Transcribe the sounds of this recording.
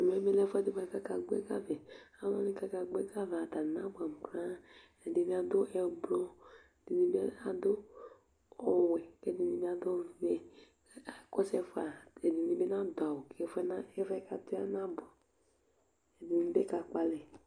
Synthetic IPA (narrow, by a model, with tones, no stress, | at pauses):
a˨m˨ɛ˨˦mɛ˦lɛ˦fɛ˦˨di˨˦ba˨ka˦ka˨ɡ͡bḛ˦ka̰˦vɛ˨a˦lɔ̃˦ni˦ka˦ka˧ɡ͡be˦ka˦va˨ta˨nã˦ba˨m˨kɾã˦ | ɛ˨dɪ˨mi˦a˨dʊ˦ɛ˨blɔ˦˨ | di˨ni˦be˦a˦dʊ˦ | ɔ˨wɛ˨kɛ˦di˨ni˦bi˦a˨do˦vɛ˨˦˨ | kɔ˦sɛ˦fa˨ɛ˨di˨ni˦be˦na˦da˨wo˨kʰɛ˨fɛ˦na˦ɛ˦vɛ˦ka˨tu˦a˦na˦bɔ˨ | ɛ˨di˨ni˦be˦ka˨k͡pa˨lɛ˨